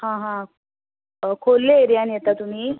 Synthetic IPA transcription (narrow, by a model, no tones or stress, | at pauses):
hãɦã | kʰolːeeɾjanjet̪at̪um̤iː